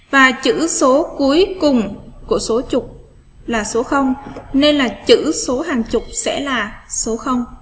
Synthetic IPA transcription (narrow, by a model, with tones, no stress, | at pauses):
vaː˨˩t͡ɕɨ̰˧˥so˨˦ku˨˦əjkʊ˨˩ŋ͡mku˧˩əso˨˦t͡ɕʊ˨˩k͡p̚ | laː˨˩so˨˦xə˧wŋ͡mne˧nlaː˨˩t͡ɕɨ̰˧˥so˨˦ɦaː˨˩ŋt͡ɕʊ˨˩k͡p̚sɛ̰˧˥laː˨˩so˨˦xə˧wŋ͡m